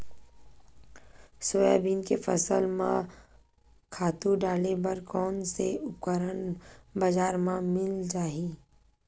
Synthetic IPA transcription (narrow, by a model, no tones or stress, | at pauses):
sʊa̰ːbiːnkefəsəlmã̰ | kʰaːt̪ũɖaːlebɐɾkɔːnseʊp̚kəɾənbəd͡ʒaːɾmãmɪld͡ʒaːɦiː